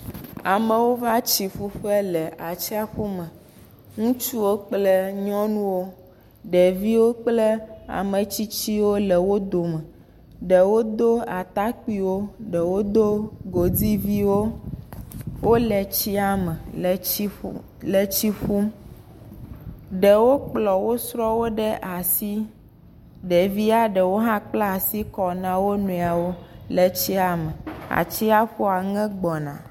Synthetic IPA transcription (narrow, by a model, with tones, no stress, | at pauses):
a˨mə̃˨wo˦va˦t͡ʃi˨fu˦ɸɛ˦lɛ˨ʔa˨t͡ʃi˦a˦ɸu˦mɛ̃˨ | ŋũ˦t͡ʃu˦wo˦k͡plɛ˦ɲɔ̃˦nũ˦wo˦ | ɖɛ˨vi˦wo˦k͡ple˦a̰˨mə˨t͡ɕi˦t͡ɕi˦wo˦lɛ˨wo˦d̪o˨mɛ˨ | ɖɛ˨wo˦d̪o˦a˨t̪a˦k͡pi˦wo˦ɖɛ˨wo˦d̪o˦ɡo˨di˦vi˦wo˦ | wʔo˦lɛ˨t͡ɕi˦a˦mɛ˨li˦ | lɛ˨t͡ɕi˦ɸu˦m | ɖɛ˨wo˦k͡plɔ˨wo˦sɾɔ˦wo˦ɖɛ˦ʔa˨si˦ | ɖɛ˨vi˦a˦ɖɛ˨wo˦ɦã˦k͡pla˦a˨si˦kɔ˨nã˦wo˦nũ˨a˨wo˦lɛ˨t͡ɕi˦a˨mɛ˨a̰˨t͡ɕi˦a˦ɸo˦a˨ŋɛ̃˦ɡ͡bɔ˨nã̰˨